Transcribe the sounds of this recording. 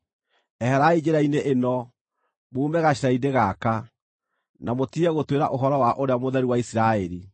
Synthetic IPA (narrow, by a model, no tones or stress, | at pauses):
ɛhɛɾaid͡ʑeɾaineʔenɔ | moumɛɣaɕiɾaideɣaka | namotiɛɣotweɾa̰ʔoɦɔɾɔwaʔoɾeamoðɛɾiwaisiɾaɛɾi